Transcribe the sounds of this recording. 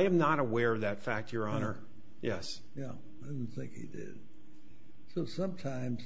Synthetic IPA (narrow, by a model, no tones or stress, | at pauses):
ɪɨ̃mnəɾəwɛɹʌvðɨtfæk̚tʰjə˞ɑnə˞ | jɛs | jæ̰ | aɪdɪn̩θɪ̰̃ŋkhḭdɪ̰d̥̚ | soʊsʌ̃mtʰãɪ̃mz̥